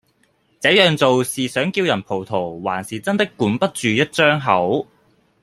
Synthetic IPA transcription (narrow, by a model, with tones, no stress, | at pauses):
t͡sɛː˨˥jœː˨ŋt͡so˨wsiː˨sœː˨˥ŋkiː˧wjɐ˨˩npʰo˨˩wt̪ʰo˨˩wwaː˨˩nsiː˨t͡sɐ˥nt̪ɪ˥kːuː˨˥npɐ˥t̚t͡ʃyː˨jɐ˥t̚t͡ʃœː˥ŋɦɐ˨˥w